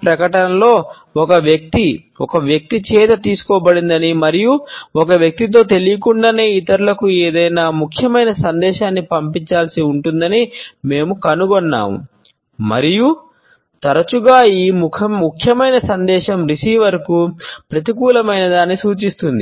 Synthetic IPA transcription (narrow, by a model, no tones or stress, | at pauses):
pɾɐkɐʈɐnɐlo̞ː | ɔkɐʋjɐk̚t̪i | ɔkɐʋjɐk̚t̪it͡ʃɛːt̪ɐt̪iːsu̥kɔːbɐɽind̪ɐnimɐɾijuɔkɐʋjɐk̚t̪it̪̬o̞ːt̪e̞lijɐkuɳɖɐneːit̪ɐɾulɐkueːd̪ɐjnaːmukʰjɐmɐjnɐsɐnd̪ɛːʃaːnːipɐmpiɲt͡ʃaːlsiuɳʈund̪ɐnime̞ːmukɐnuɡɔnːa̰ːmṵ | mɐ̰ɾiju | t̪ɐɾɐt͡ʃuɡaːiːmukʰɐmukʰjɐmɐjnɐsɐnd̪ɛːʃɐmɾisiːʋɐɾkupɾɐt̪̬ik̬uːlɐmɐjnɐd̪aːnːisuːt͡ʃist̪und̪i